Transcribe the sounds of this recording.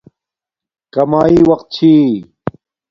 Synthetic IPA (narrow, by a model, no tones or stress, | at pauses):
kɐmaːiwaq̚t͡ɕʰi